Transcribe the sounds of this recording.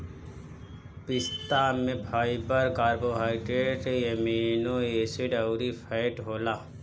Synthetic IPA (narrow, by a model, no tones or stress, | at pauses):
pɪst̪aːnmẽbʱaːibəɾkaːɾboɦaːɪʈeɖʈejɐmiːnoeːsɪɖɐʊɾipʰɛɪʈɦoːlaː